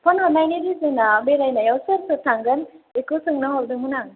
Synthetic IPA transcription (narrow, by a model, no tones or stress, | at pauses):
pʰɔnɔnajniɾizenabeɾajnajawsɯɾsɯtʰaŋɡɯnekosɯŋnaɦɔldɯŋɦunaŋ